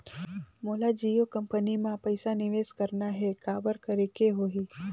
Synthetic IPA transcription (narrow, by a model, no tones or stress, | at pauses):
moːlad͡ʒijokəmpənimãpəɪsanɪʋeːskəɾnaɦekaːbəɾkəɾekeɦoɦiː